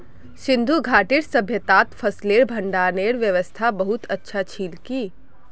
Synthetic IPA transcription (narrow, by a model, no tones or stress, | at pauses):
sɪ̃nd̪ʱuɡʱaːʈɪɾsɐbʱjət̪aːt̪fʰɐsleːɾbʱɐ̃ɳɖaːneːɾʋjəʋəst̪ʰabɐɦʊt̪ɐtːʃʰat͡ʃʰiːlkiː